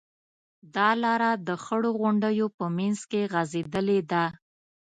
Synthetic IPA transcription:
d̪ɑlɑɾad̪əxəɽoɣʊɳɖəjopəmanzkeɣazed̪əled̪a

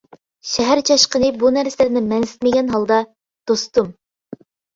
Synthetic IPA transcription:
ʃɛɦæɾt͡ʃʰɑʃqənɨbunæɾsɪlɪɾnɪmɛnsɪ̥t̪̚mɪɡʲɛnɦɑlˠd̪ɑ | d̪̥ost̪um

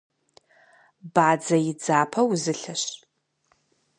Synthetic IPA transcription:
baːd͡zɐjɪd͡zaːpʰɐwzɨɬɐɕ

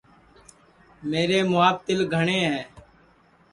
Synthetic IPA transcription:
meːɾeːmʊaːb̚t̪ɪlɡʱəɳẽːɦɛː

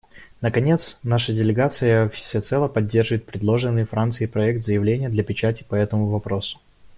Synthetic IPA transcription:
nəkɐnʲe̞t̪snaʂədʲɪlʲɪɡat̪sɨjəfsʲɪt̪sɛlˠəpɐdʲːerʐvɪt̪̚pɾʲɪd̪lˠoʐɨnːɨjfɾant̪sɨɪpɾɐɛk̚t̪zəjɪvlʲenʲɪjəd̪lʲɐpʲɪt͡ɕætʲɪ̥pɐɛt̪əmʊvɐpɾo̞sʊ̥

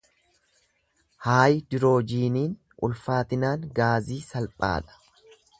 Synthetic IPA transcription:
haːjɪd̪ɪɾo̞ːd͡ʒiːniːn | ʔʊlfaːt̪ɪnaːŋɡaːziːsɐlpʼa̰ːᶑ̪ɐ̥

